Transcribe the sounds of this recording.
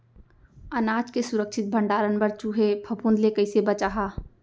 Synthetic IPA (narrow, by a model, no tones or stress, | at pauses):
ənaːd͡ʒkesuɾəkt͡ʃʰɪt̪̚bʱəɳɖaːɾənbəɾt͡ʃuɦepʰəpund̪lekəɪsebət͡ʃaɦa